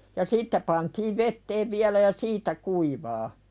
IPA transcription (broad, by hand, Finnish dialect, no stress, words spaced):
jɑ siːtːæ pɑntiːʋ ʋetːeːʋ ʋiælæ jɑ siːtæ kuiʋɑː